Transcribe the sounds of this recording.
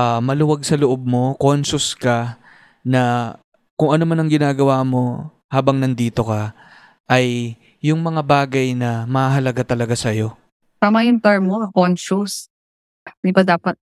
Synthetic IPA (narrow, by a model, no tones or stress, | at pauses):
ʔamɐlʊwaɡ̚sɐloʔob̚mo̞ko̞nsʊskɐ | nɐ | kʊŋʔɐno̞manɐŋɡɪnaːɡɐwaːmo̞ | haːbɐŋnɐnd̪iːt̪o̞kɐ | ʔɐjː | ʊŋmɐŋabaːɡɐjnɐmɐhaɦɐlɐɡat̪ɐlɐɡasɐjo̞ | t̪amɐɪnt̪ɛɹmːoɐkonʃus | d̪ɪbɐd̪aːpɐt̪̚